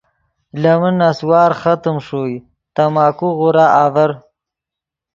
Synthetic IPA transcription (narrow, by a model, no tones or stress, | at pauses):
lɐmənaswɑːɾχat̪əmʂoːj | t̪amaːkuɣʊɾaaːvɐɾ